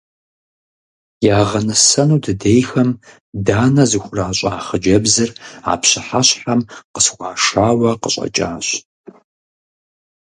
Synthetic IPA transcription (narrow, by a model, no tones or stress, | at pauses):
jaːʁɐnɨsɐnuːdɨdejxɐm | daːnɐzɨxʷʊraːɕʼɐːχəd͡ʒɐbzɨra̰ːpɕɪħaɕħamqəsχʷɑːʂaːwɐqəɕʼɐ̰t͡ʃʼa̰ːɕ